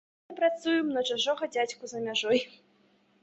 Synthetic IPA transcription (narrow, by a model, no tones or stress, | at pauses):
mɨpɾat̪sujɛmnɐʐaʐɔɣɐd͡zʲat͡sʲkuzɐmʲaʐɔj